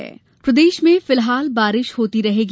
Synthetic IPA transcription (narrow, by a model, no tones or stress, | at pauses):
ɛ̰ː | pɾɐd̪eːʃmẽfɪlɦaːlbaːɾɪʃhoːt̪iɾɐɦeːɡ